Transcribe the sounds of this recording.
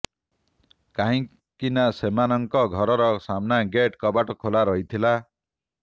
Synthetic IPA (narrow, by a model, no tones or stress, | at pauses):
kaɦĩ | kinasemanɔŋkɔɡʱɔɾɔɾɔsamnaɡeʈkɔbaʈɔkʰolaɾɔɦit̪ʰila